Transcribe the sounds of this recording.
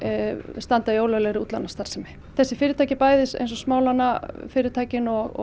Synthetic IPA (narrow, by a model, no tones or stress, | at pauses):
st̪ant̪ajoːwlœlɛɣɾɪut̪lanːast̪aɾ̥sɛmɪ | θɛsːɪfɪːɾɪt̪ʰajcɪpaːjðɪsḛjnsɔsmaːwlanːafɪːɾɪt̪ʰaːjcɪnɔɣɔ̰